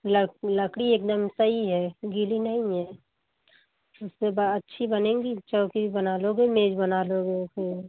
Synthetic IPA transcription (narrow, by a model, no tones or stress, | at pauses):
lələkɽieːk̚d̪əmsəiɦɛːɡilinəɦĩɦɛː | ʊsːebətːʃʰibənẽːŋɡit͡ʃɔːkibənaloɡemeːd͡ʒbənaloɡese